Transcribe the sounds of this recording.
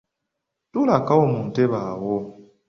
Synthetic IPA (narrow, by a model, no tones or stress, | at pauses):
tulakawomun̩teβawɔ